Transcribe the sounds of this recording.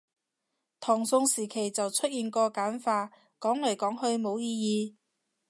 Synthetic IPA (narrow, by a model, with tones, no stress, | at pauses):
t̪ʰɔː˨˩ŋsʊ˧ŋsiː˨˩kʰe˨˩jt͡sɐ˨wt͡sʰɵ˥t̚jiː˨˧nkɔː˧kaː˨˥nfaː˧ | kɔː˨˥ŋlɐ˨˩jkɔː˨˥ŋhɵ˧ɥmo˨˧wjiː˧jiː˧